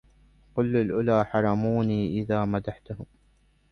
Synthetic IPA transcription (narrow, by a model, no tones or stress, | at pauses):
qʊlːalʔʊlaːħɑɾˤɑmuːniːʔɪðaːmad̪aħt̪ʊhʊm